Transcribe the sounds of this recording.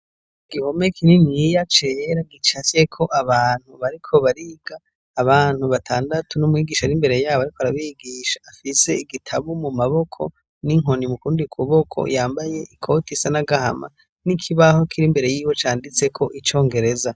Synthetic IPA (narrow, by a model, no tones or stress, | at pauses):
ɡ̥iho̞me̞kininijat͡ʃeɾaɡit͡ʃat͡ʃe̞kʰo̞ʔaβaːn̥huβaɾikʰo̞βaɾiɡaː | βaːn̥huβatʰaːndatʰunumŋiːɡiːʃaɾimbe̞ɾe̞jaːβoaɾikoaɾaβiɡiʃḁːfise̞iɡitʰaβumumaβo̞kʰo̞̰ | niŋo̞nimukuːndikʰuβo̞kʰo̰jaːmbaje̞ʔikʰo̞tisanaɡaha̰ma̰ | nikʰiβaho̞kʰiɾimbe̞ɾe̞jiːwo̞t͡ʃaːndit͡se̞kʰo̞ʔit͡ʃo̞ːŋɡe̞ɾe̞za